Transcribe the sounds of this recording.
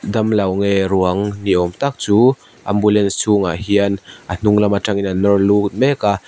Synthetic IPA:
d̪ɐmlɐwŋɛɾuɐŋniɔmt̪ak̚t͡su | ʔɐmbulɛnssuŋahiənʔan̥uŋlɐmaʈ͡ʂaŋinanɔrlukt̪̚mɛka

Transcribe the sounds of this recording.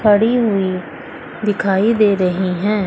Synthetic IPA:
kʰəɽiːɦʊiː | d̪ɪkʰaːiːd̪eːɾəɦiːɦɛ̃ː

